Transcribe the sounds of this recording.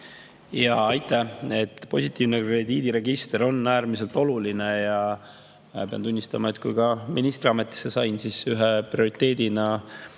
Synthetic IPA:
jɑɑjt̪ːˑæe̞t̪ːˑpo̞sʲit̪ːˑiːvnekre̞d̪iːd̪iɾe̞ɡist̪eɾo̞nːæːɾmise̞lt̪ˑo̞luline̞jɑ | peɑ̰nt̪unʲːist̪ɑmɑe̞t̪kujkɑmʔinist̪ɾiɑmet̪ˑːi̥sːe̞sɑjnsisyɦeprio̞ɾit̪ːe̞ːd̪̥inɑ

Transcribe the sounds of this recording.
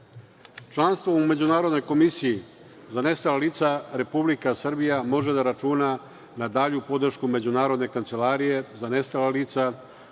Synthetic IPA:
t͡ʃlˠanst̪ʋoume̞d͡ʑunaːɾo̞d̪no̞jko̞misiji | zane̞st̪alaliːt̪saɾe̞publikasrbijamo̞ʒe̞d̪aɾat͡ʃuːna | nad̪aːʎupo̞d̪r̩ʃkume̞d͡ʑunaːɾo̞d̪ne̞kant̪se̞laːɾije̞zane̞st̪alaliːt̪sa

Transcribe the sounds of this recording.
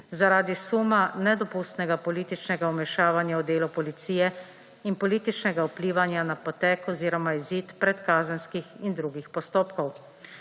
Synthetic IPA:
zaɾaːd̪isuːmanɛd̪ɔpust̪nɛɡapɔliːt̪it͡ʃnɛɡaɔmɛʃaːʋanjaɔd̪eːlupɔlit̪siːjɛ | inpɔliːt̪it͡ʃnɛɡaupliːʋanjanapɔt̪ɛkɔziːɾɔmaiziːt̪pɾɛt̪kaːzənskixind̪ɾuɡixpɔst̪oːpkɔw

